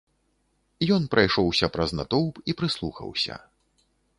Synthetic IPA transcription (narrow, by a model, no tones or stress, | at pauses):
jɔnpɾʔajʂɔwsʲɐpɾɐznat̪ɔwpipɾɨslˠṵxɐ̰wsʲɐ̰